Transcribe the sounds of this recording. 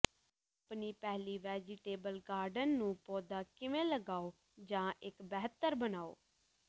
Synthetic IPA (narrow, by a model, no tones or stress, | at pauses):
aapniːpɛːliːʋɛːd͡ʒɪʈeːbəlɡaːɾɖənːũːpɔːd̪aːkɪʋẽːləɡaːoː | d͡ʒãːʔɪkbɛːɦt̪ːəɾbənaːo̰ː